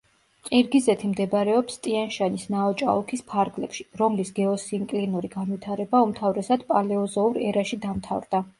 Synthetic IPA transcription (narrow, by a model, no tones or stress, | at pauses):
qʼiɾɡizɛt̪ʰimd̪ɛbɾɛɔpst̪ʼianʃanisnaɔt͡ʃʼa̰ukʰispʰaɾɡlɛpʃi̥ɾɔmlisɡɛɔsiŋkʼlinuɾiɡanwit̪ʰaɾɛbaumt̪ʰavɾɛsad̪̥pʼalɛɔzɔuɾɛɾaʃid̪amt̪ʰa̰vɾd̪a